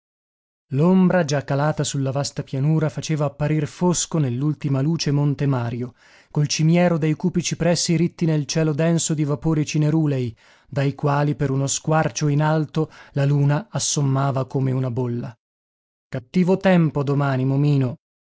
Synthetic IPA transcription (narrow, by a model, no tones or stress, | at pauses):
lombɾad͡ʒakːalaːt̪asulːavast̪apjanuːɾafat͡ʃeːvaːpːaɾirfoskonelːult̪imaluːt͡ʃemont̪emaːɾjo | kolt͡ʃimjɛːɾod̪ejkuːpit͡ʃipɾɛsːiɾit̪ːinelt͡ʃɛːlod̪ɛnsod̪ivapoːɾit͡ʃineɾuːlɛj | d̪ajkwaːlipeɾunoskwart͡ʃoinalt̪olaluːnaːsːomːaːvakomeunabolːa | kat̪ːiːvot̪ɛmpod̪omaːnimomiːno